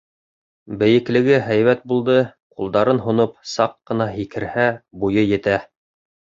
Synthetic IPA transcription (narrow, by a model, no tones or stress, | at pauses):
bɘ̆jɘ̆klɘ̆ɡɘɦæjβæt̪̚bulˠd̪ɤ | qulˠd̪ɑɾɤnɦŏnop̚sɑqːɤ̆nɑɦikʰɘ̆ɾhæbujɤjɘ̆t̪æ